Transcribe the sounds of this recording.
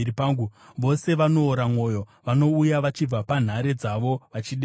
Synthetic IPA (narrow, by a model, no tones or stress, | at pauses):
ɾipaːŋɡuʋo̞se̞ʋano̞ːɾamwo̞ːjo̞ʋano̞ujaʋat͡ʃib͡vapan̤aɾe̞d͡zaʋo̞ʋat͡ʃiɗe